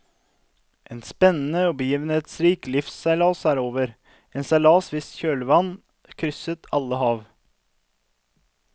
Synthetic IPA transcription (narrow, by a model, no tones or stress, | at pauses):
ʔeːnspɛnənəoːbəjʏʋnət̪sɾiːklɪfsæɪlɑːsæːɾoːʋəɾ | eːnsælɑːsʋɪsçøːlʋɑn | kʰɾʏsət̪ʰɑləhɑːʋ